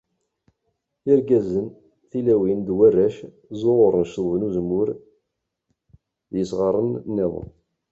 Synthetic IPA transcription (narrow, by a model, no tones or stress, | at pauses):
iɾɡæzən | θilæwind̪wærːæʃ | zoʁʊɾˤənʃðˤvnuzəmːʊɾ | ðjəsʁəɾˤənnːæðˤə̰